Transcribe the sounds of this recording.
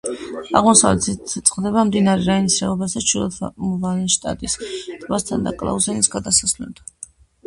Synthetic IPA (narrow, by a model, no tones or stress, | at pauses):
aʁmɔsavlɛ̰t̪it̪sɛt̪sʼqχd̪ɛbamd̪inaɾɛɾainisɾɛɔbasd̪at͡ʃʰulɔt̪ʰmuvanɛʃt̪ʼa̰t̪ʼist̪ʼvast̪ʰand̪a̰kʼlˠa̰uzɛnisɡad̪asasvlɛld̪a